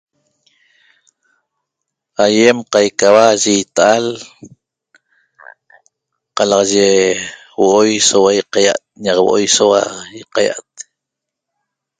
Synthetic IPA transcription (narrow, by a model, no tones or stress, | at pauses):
ajemqajkawaʒit̪aʔal | qɑlɑʁʒe | woʔojsowajiqaja̰ʔt̪̚ɲɑqwoʔojsowajiqaja̰ʔat̪̚